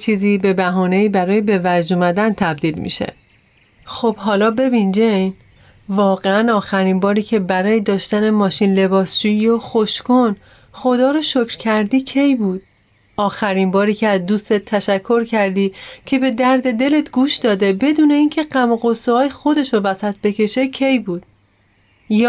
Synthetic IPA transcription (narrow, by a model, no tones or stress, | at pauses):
t͡ʃʰiːziːbe̞bæɦɒːne̞iːbæɾɒːjebe̞væd͡ʒd̪uːmæd̪ænt̪ʰæb̚d̪iːlmḭʃe̞̰ | xob̥hɒːlɒːbe̞bind͡ʒejn | vɒːɣeænɒːxæɾiːnbɒːɾiːcʰe̞bæɾɒːjed̪ɒːʃt̪æne̞mɒːʃiːnle̞bɒːsd͡ʒuːijoxo̞ʃkon | xo̞d̪ɒːɾoʃocʰɾ̥cʰæɾd̪iːcʰe̞jbuːd̪̥̚ | ʔɒːxæɾimbɒːɾiːcʰeæzd̪uːst̪e̞t̪ʰːæʃækʰːo̞ɾcʰæɾd̪iːcʰe̞be̞d̪æɾd̪e̞d̪e̞le̞t̪ʰɡuːʃd̪ɒːd̪e̞be̞d̪uːne̞iːncʰe̞ɢæmɢosuɒːjexo̞d̪e̞ʃovæsæt̪̚ʰb̥e̞cʰe̞ʃe̞cʰe̞jbuːd̪̥̚ | j